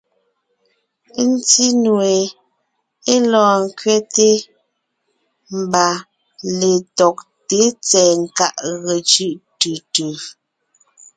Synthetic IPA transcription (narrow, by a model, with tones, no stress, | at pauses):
n̩˦ti˦nwe˨ | e˦lɔː˨ŋ̩˦˨kɥɛ˦te˦ | m̩˨ba˨ | le˨tɔ˨k̚te˨˦t͡sɛː˨ŋ̩˨ka˦˨ʔɣe˨t͡ʃʉ˦ʔtʉ˨tʉ˨